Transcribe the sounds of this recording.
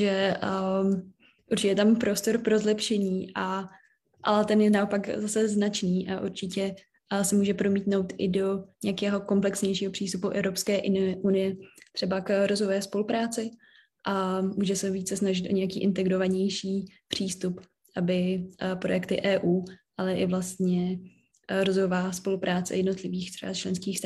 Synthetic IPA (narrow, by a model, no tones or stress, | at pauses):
ʒɛə | ʔuɾt͡ʃɪcɛjɛt̪ampɾo̞st̪o̞ɾpɾo̞zlɛpʃɛɲiːʔa | ʔa̰lɛt̪ɛnjɛnao̞pakzasɛznat͡ʃniːʔaʔuɾt͡ʃɪcɛ | sɛmuːʒɛpɾo̞miːt̪nowt̪ʔɪdo̞ɲɛjakɛːɦo̞ko̞mplɛksɲɛjʃiːɦopr̥iːst̪upuʔɛ̰vɾopskɛːʔʔunɪjɛt̪r̥ɛbakɾozovɛːspo̞lupɾaːt͡sɪ | ʔamuːʒɛsɛviːt͡sɛsnaʒɪt̪ʔo̞ɲɛjakiːʔɪnt̪ɛɡɾovaɲɛjʃiːpr̝̥iːst̪up | ʔabɪpɾo̞jɛkt̪ɪ̰ʔɛːʔuːʔalɛʔɪvlast̪ɲɛ | ɾozojovaːspo̞lupɾaːt͡sɛ̰jɛdno̞t̪lɪviːxt̪r̥ɛ̰bat͡ʃlɛnskiːxst̪